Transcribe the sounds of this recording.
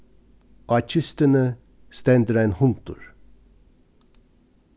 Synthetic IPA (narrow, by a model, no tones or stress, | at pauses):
ʔɑt͡ʃʰʏst̪ənə | st̪ɛnd̪əɾæɪnhʊnt̪ʊ̰ɹ